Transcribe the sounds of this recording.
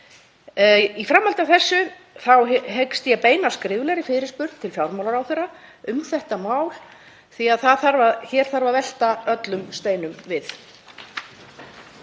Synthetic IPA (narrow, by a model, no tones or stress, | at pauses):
ifɾamːalt̪avθɛsːʏ | θawɦekst̪jɛpeːjnaskɾɪːvlɛɾɪfɪɾɪspʏɾt̪̚t̪ʰɪlfjawɾmawlaɾawθɛɾa | ʏmθɛht̪amaːwl | θiaðθaðθaɾvaçɛːɾ̥θaɾvaðvɛl̥t̪aœt̪lʏmst̪eːjnʏmvɪθ